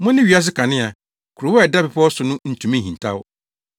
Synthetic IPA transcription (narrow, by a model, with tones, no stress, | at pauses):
mʊ̃˦nɪ̃˦ɥi˨˦a˦s̬ɪ˦kʰa˨nɪ̃˦a˨ | kʰu˨ɾʊ˨wɛ˦˨da˦pɪ˨pʰɔ˦ɔ˦sʊ˨nʊ̃˦n̩˨tʰũ˨mẽ˦hĩ˨n˨tʰa̰˦w